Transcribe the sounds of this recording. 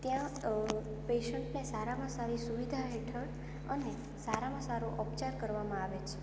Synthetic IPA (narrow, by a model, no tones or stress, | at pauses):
t̪jã | peʃəɳʈnesaɾamãsaɾisuʋid̪ʱaɦeʈʰəɽ | əne | saɾamãsaɾoʔɔpt͡ʃaɾkəɾʋamãaʋet͡ʃʰe̥